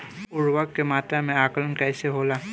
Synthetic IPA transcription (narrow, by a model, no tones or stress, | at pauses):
ʊɹwakːematamɛ̃akɔlɔnkajsɛɦola